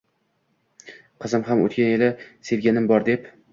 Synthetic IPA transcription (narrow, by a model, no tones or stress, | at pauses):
qʰɨzɪmɦamo̰t̪̚kʲanjelɪse̞vɡʲanɪmbɒɾd̪e̞p